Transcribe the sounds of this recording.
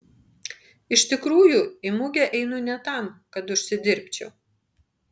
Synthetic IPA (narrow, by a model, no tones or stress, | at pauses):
ɪʃʲt̪ʲɪkɾuːjuːɪmʊɡʲɛʔɛɪnʊnʲɛt̪ɑˑmkɐt̪ʊʃʲsʲɪd̪ʲɪɾʲˑpʲt͡ʃʲʊ̰